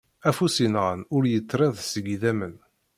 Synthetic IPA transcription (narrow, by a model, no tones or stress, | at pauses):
æfusinʁənʊɾjət͡sːɾæðsəɡðæmən